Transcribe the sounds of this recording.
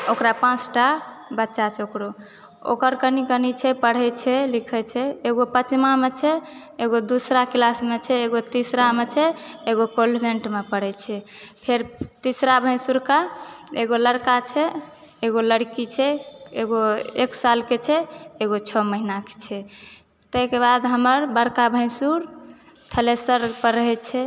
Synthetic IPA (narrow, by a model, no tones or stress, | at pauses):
okɾapãt͡ʃʈabətːʃat͡ʃʰokɾo | o̰kəɾkənikənit͡ʃʰɛpəɽ̤ɛt͡ʃʰɛlikʰɛt͡ʃʰɛeɡopət͡ʃmamet͡ʃʰɛ | eɡod̪usɾaklasmet͡ʃʰɛeɡot̪isɾamet͡ʃʰɛeɡokolbʱeɳʈmepəɽ̤ɛt͡ʃʰɛpʰeɾt̪isɾabʱə̃j̃suɾkaeɡoləɽkat͡ʃʰɛː | ɡoləɽkit͡ʃʰɛeɡoeksalket͡ʃʰɛeɡot͡ʃʰɔməɦinake̥t͡ʃʰɛ | t̪əɦkebad̪ɦəməɾbəɾkabʱə̃suɾ | t̪ʰəlesəɾpəɾəɦɛt͡ʃʰɛ